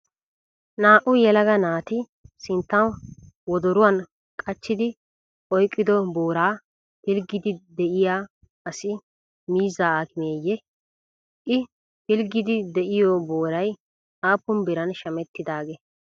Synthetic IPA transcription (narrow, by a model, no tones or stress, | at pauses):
naːʔʊjɛlɐɡɐnaːt̪ɪ | sɪnt̪ːɐn | wɔd̪ɔɾʊwɐn | kʼɐt͡ʃːɪd̪ɪ | ʔɔjkʼːɪd̪ɔboːɾaː | hɪlɡɪd̪ɪd̪ɛʔɪjaː | ɐsɪ | miːzaːaːkɪmeːjːɛ | ʔɪ | hɪlɡɪd̪ɪd̪ɛʔɪjɔboːɾɐj | ʔaːpːʊmbɪɾɐnʃɐmɛt̪ːɪd̪aːɡe